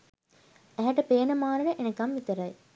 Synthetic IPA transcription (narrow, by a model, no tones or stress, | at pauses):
æɦæʈəpeːənəmaːnəɖəʔenekamʋit̪əɾɐj